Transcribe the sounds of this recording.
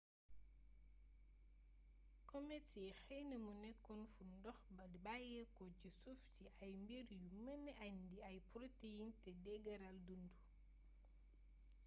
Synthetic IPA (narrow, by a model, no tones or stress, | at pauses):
kɔmɛsɛxɛjnɐmunɛkːɔnfundɔxbɐdibajɛkɔcisuftiʔɐjmbiɾjumɐnːɛʔandiɐjpɾotejintɛdɛɡɐɾɐldundu